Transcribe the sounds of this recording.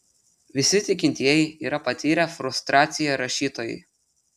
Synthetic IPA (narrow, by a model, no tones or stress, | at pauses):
ʋʲɪsʲɪt̪ʲɪkʲɪnʲt̪ʲiɛjɛɪiːɾɐpɐt̪ʲiːɾʲæfɾʊst̪ɾɑːt̪sʲɪjɛɾɐʃʲiːt̪oːjɛ̰ɪ